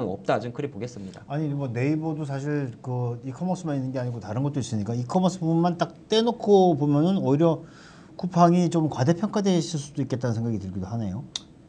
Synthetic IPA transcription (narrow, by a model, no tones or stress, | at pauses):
nʌp̚t͈ad͡ʑɯmkʰɯɾipoɡe̞s͈ɯmɲidaaɲimwʌne̞ibodosʰaɕʰiɭkɯikʰʌmʌs͈ɯmaninːɯnɡe̞aɲiɡotaɾɯnɡʌt͈ois͈ɯmɲik͈aikʰʌmʌs͈ɯbubunmant͈ak̚t͈enokʰopomjʌnɯnʌiɾjʌ | kupʰaŋit͡ɕomkwade̞pʰjʌŋkʰade̞ɕʰiɭs͈udoik͈e̞t̚t͈anɯnsʰeŋɡaɡitɯɭɡidoɦane̞jo